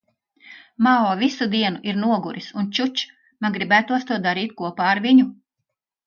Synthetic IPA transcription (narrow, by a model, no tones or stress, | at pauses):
maɔːvisud̪iɛnuʔiɾnuɔɡuɾisunt͡ʃut͡ʃ | manɡɾibæːt̪uɔst̪uɔd̪aɾiːt̪̚kuɔpaːɾʋiɲu